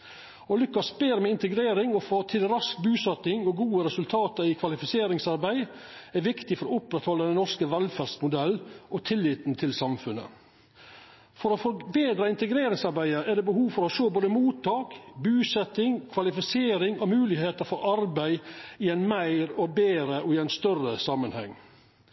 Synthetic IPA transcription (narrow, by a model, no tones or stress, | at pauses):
ɔlʉkːɑsbeːɾmɛɪnt̪əɡɾeːɾɪŋɔfoːt̪ʰɪlɾɑsk̚bʉːsɛt̪ɪŋɔɡuːəɾɛsʉlt̪ʰɑːt̪ɑɪkʰʋɑlɪfɪseːɾɪŋsɑɾbæɪ | ɛɾʋɪkt̪ɪfɔɾɔʊpɾɛt̪hɔlːəd̪ɛnɔskəʋɛlfæːɾst̪mʊd̪ɛlːʔɔt̪ʰɪlːɪt̪nt̪ʰɪlsɑmfʉnə̰ | fɔɾɔfɔbeːd̪ɾɑɪnt̪əɡɾeːɾɪŋsɑɾbæɪəʔɛd̪ɛːbəhuːʋfɔɾɔʃoːboːd̪əmuːt̪ʰːɑːkbʉːsɛt̪ɪŋkʰʋɑlɪfɪseːɾɪŋɔmʉːlɪheːt̪əɾfɔɾɑɾbæɪɪæɪnmæɪɾɔbeːɾəʔɔɪæɪnst̪œrəsɑmːənhɛ̰ŋː